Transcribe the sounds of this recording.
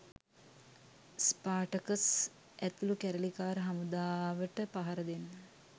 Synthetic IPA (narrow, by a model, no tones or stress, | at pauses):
spaːʈəkəs | ʔæt̪ulukæɾəlikaːɾəɦamud̪aːʋəʈəpaɦaɾəd̪enːə